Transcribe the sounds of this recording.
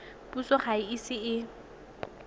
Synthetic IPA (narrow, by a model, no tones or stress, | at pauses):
pusɔχaɪisɪɪ